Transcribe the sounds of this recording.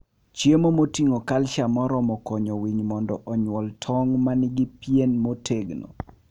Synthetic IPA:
t͡ʃjemomotiŋokalt͡ʃamɔɾɔmɔkɔɲɔwiɲmɔndɔʔɔɲwɔltʰɔŋmanɪɡɪpjenmotʰeɡno̰

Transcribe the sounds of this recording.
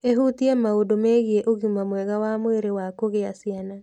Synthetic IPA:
eɦutiɛmaodomeɣieʔoɣimamwɛɣawamweɾewakoɣeasiana

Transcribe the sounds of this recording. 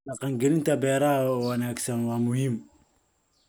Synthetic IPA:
ɑqɑːŋɡɛlɪnt̪ʰɐbɛːɾɐɦɐwɑnaːɡsɐnwɑːmʊɦim

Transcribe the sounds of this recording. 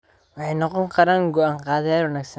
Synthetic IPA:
wɑħɑjnɔqɔŋkʰɐɾaːŋɡɔʔaːŋqɑːðɐjaːlwɐnaːɡsɐ

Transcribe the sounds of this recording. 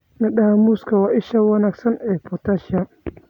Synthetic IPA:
nɪɗaːmuskɐwaːʔɪʃɐwɐnaːɡsɐnɛːpɔt̪aʃɪa

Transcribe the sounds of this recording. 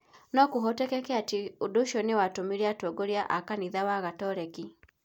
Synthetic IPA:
nɔkuɦɔtɛkɛkɛatiuduʃɔniwatumiɾiatɔɡɔɾiaʔakaniðawaɣatɔɾɛki

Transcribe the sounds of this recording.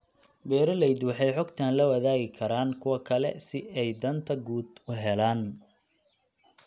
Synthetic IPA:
bɛːɾɐlɛjd̪wɑħɑjħɔɡt̪ʰaːnlɐwɐðaːɣɪkʰɐɾaːnkʰʊwɐkʰɐlɛ̰sɪɛjd̪ɐnt̪ʰɐɡuːd̪ʊɦɛlaːn

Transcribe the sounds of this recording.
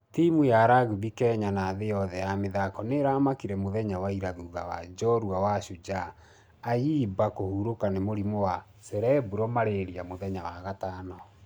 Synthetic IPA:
timujaɾaɣuβikɛɲanaðejɔðɛjameðakɔneɾamakiɾɛmoðɛɲawaiɾaðuːðawa̰d͡ʒɔɾuawaʃud͡ʒa | ajiːbakohuɾokanemoɾimowa | sɛɾɛbuɾɔmaɾeɾiamoðɛɲawaɣataːnɔ

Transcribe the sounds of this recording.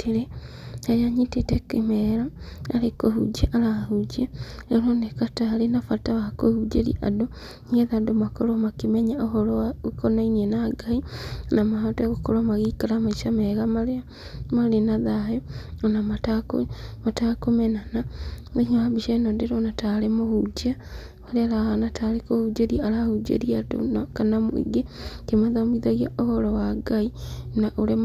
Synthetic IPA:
tʰeɾe | aɾeaɲitetekemɛɾaaɾekoɦṵd͡ʒeʔaɾahud͡ʒeeɾonekataːɾenafataβakohud͡ʒeɾḭʔa̰do | ɲeðadomakoɾomakemɛɲaohɔɾɔaukonainienaɡainamaɦateɣokoɾamaɣikaɾamaiʃamɛɣama | maɾenaðaɦɛanamatako̰matakomɛnananehahabiʃɛnɔdeɾonataɾemohud͡ʒia | aɾeaɾahanatʰaɾekohud͡ʒeɾiaaɾahud͡ʒḛɾiato̰nakanamo̰ḭɡekemaðamiðaɣia̰ohɔɾɔwaɡainaʔoɾe

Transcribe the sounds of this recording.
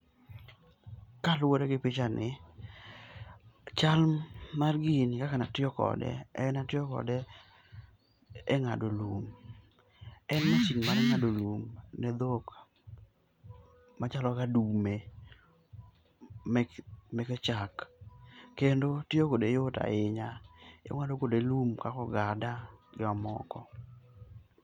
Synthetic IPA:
kalwoɾeɡɪpɪt͡ʃanʔɪ | t͡ʃalmarɡinɪkakanatɪɔkɔ̰dɛ̰ɛnatɪɔkɔ̰dɛ | ɛŋa̰dolum | ɛnmat͡ʃiŋmaɾɛŋadolumnɛd̪ok | mat͡ʃalɔkadume | mɛkɛt͡ʃak | kendotɪokodejota̰ɪɲajo̰ŋadokodelumkakɔɡadad͡ʒɔamɔ̰kɔ

